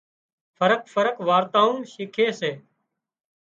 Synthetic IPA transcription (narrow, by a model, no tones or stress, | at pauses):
fʰəɾək̚fəɾəkʋaːɾt̪aːũːʃiːkʰeːseː